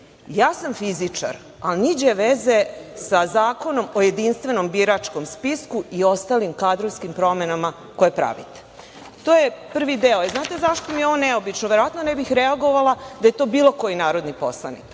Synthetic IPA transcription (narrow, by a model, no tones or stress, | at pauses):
jaːsamfizit͡ʂa̰ɾ | alnid͡ʑeʋeze̞sazaːko̞no̞mo̞jed̪inst̪ʋe̞no̞mbiɾat͡ʂko̞mspiskuio̞st̪aːlimkaːd̪ɾoʋskimpɾo̞menama | ko̞jepɾa̰ʋḭt̪e̥ | t̪ojepr̩ʋid̪eoeznaːt̪e̞zaʃt̪omijoʋoneobit͡ʃnoʋje̞ɾoʋat̪nonebixɾeaɡo̞ʋalad̪ajet̪o̞ːbiːlo̞ko̞jinaːɾo̞d̪nipo̞̰slˠa̰nḭk